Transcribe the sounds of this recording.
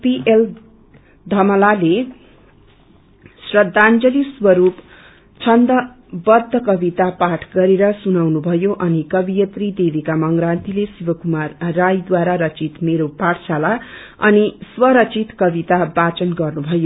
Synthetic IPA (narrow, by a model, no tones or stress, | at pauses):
piʔel | d̪ʱʌmʌlale | srʌd̪ʱːand͡zʌliswʌɾup | t͡sʰʌnd̪ʌ | bʌd̪ʱːʌkʌbit̪apaʈʰɡʌɾeɾʌsunawnubʱʌjoʔʌnikʌbijʌt̪rid̪ebʱikamʌŋɡrant̪ilesibʌkumarːajd̪waɾaɾʌt͡sit̪meɾopaɽsala | ʌ̰niswʌɾʌt͡sit̪kʌbit̪abat͡sʌnɡʌrnubʱʌjo